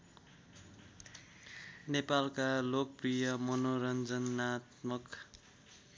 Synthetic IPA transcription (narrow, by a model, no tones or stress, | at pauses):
nepalkalok̚prijʌmʌnoɾʌnd͡zʌnat̪mʌk